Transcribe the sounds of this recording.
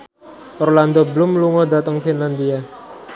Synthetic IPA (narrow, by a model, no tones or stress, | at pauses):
ʔɔrland̪ɔblʊmluŋɔd̪at̪əŋfinland̪ia